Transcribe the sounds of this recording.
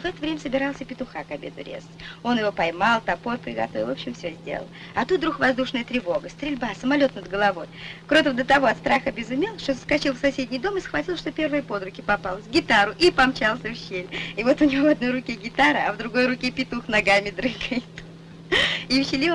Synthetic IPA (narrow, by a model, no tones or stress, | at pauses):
vɛt̪əvɾʲemʲəsəbʲɪɾalˠsʲəpʲɪt̪ʊxakɐbʲe̞̰d̪ʊ̰ɾʲḛzətʲo̞njɪvo̞pɐjmalˠt̪ɐpo̞rpɾʲɪɡɐ̰t̪o̞vʲɪlˠvopɕːɪmfsʲozʲdʲḛlə̰lˠ | ɐt̪ut̪̚d̪ɾuxvɐzd̪uʂnəjət̪ɾʲɪvo̞ɡəst̪ɾʲɪlʲbasəmɐlʲo̞t̪nəd̪ɡəlˠɐvo̞jkɾot̪ɪvd̪ət̪ɐvo̞ɐt̪st̪ɾaxəbʲɪzʊmʲelˠʂt̪o̞zəskɐt͡ɕilˠfsɐsʲedʲnʲɪjd̪o̞mɨsxvɐtʲilˠʂt̪o̞pʲe̞rvəjəpo̞d̪ɾʊkʲɪpɐpalˠzɡʲɪt̪aɾʊʔipɐmt͡ɕalˠsʲəɕːelʲɪvo̞t̪ʊnʲɪvovɐd̪no̞jɾʊkʲeɡʲɪt̪aɾɨɐvd̪ɾʊɡo̞jɾʊkʲepʲɪt̪uxnɐɡamʲɪd̪ɾɨɡəjɪt̪ | iɕːɪlʲi